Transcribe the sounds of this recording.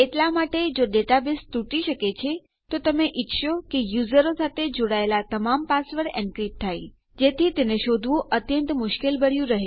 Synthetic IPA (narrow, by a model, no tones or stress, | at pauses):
eʈlamaʈed͡ʒoɖeʈabest̪uʈiʃəket͡ʃʰe | t̪ot̪əmeʔitʃokejuzəɾosat̪ʰed͡ʒoɽaelat̪əmampasʋəɽɛ̃ɳkɾip̚t̪ʰaj | d͡ʒet̪ʰit̪eneʃod̪ʱʋũʔət̪jənt̪mʊʃkelbəɽjũɾəɦe